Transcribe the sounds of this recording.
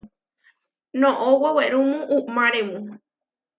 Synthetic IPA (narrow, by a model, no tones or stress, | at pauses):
nõʔoweweɾũmũʔumãɾẽmũ